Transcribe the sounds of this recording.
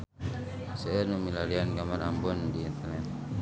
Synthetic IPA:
sɛɛnumilalianɡamaɾambɔndiːnt̪ɛrnɛt̪̚

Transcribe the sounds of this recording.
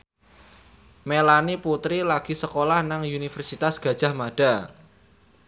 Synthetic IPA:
melaniput̪ɾilaɡ̥i̤səkolahnaŋunifərsit̪asɡ̥ä̤d̥ʒ̥a̤hmaɖ̥a̤

